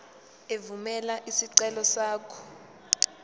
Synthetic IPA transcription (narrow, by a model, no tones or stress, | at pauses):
evumɛlaʔisiǀɛlɔsaːkʰɔ̥